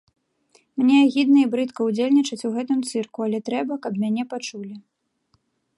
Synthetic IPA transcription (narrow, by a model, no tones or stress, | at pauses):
mnʲɛɣʲid̪nɐibɾɨt̪kɐwd͡zʲelʲnʲit͡ʂɐt͡sʲuɣɛt̪ɨmt̪sɨrkualʲɛt̪ɾɛbɐkɐpmʲanʲɛpat͡ʂulʲi